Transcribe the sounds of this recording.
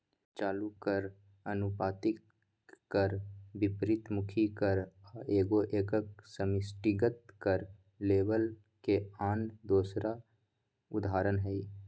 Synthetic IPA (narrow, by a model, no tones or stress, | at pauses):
t͡ʃaːlukəɾ | ənʊpaːt̪ɪkː | əɾbɪpɾɪt̪mʊkʰikəɾaeːɡoʔeːkəksəmɪsʈɪɡət̪kəɾ | leːʋəl | keaːnd̪oːsɾa | ʊd̪ʱaːɾənɦɛi